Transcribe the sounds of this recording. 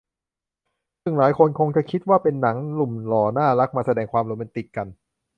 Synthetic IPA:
sɯ˥˩ŋlaː˩˦jkʰo˧nkʰo˧ŋt͡ɕa˨˩kʰi˦˥t̪̚waː˥˩pe˧nːa˩˦ŋlu˨˩mlɔː˨˩˦naː˥˩la˦˥k̚maː˧sa˧dɛː˧ŋkʰwaː˧mloː˧ma˧nt̪i˨˩kːa˧n

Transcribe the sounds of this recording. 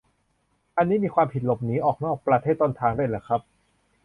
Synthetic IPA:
ʔa˧nːiː˦˥miː˧kʰwaː˧mpʰi˨˩t̪̚lo˨˩p̚niː˦˥ʔɔː˨˩k̚nɔː˥˩k̚pɾa˧t̪ʰeː˥˩t̪ːoː˧nt̪ʰaː˧ŋdaː˥˩˨jlaː˧˩jkʰɾa˦˥p̚

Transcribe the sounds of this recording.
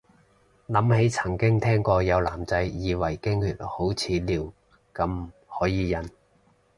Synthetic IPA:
lɐ˨˥mhe˨˥jt͡sʰɐ˨˩ŋkɪ˥ŋt̪ʰɛː˥ŋkɔː˧jɐ˨˧wlaː˨˩mt͡sɐ˧˥jjiː˨˧wɐ˨˩jkɪ˥ŋhyː˧˥t̚ho˨˥wt͡sʰiː˨˧liː˨˩w | kɐ˨˧m˨hɔː˨˥jiː˨˧jɐ˨˧n

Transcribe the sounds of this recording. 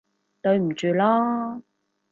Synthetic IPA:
t̪ɵ˧ɥm̩˨˩t͡ʃyː˨˧lɔː˥

